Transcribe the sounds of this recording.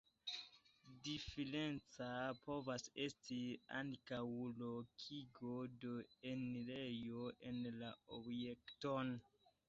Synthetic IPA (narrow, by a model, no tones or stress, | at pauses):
difelent͡sapo̞vase̞stia̰ŋkawlo̞kʰiɡodo̞enilejoʔe̞nlaobjekton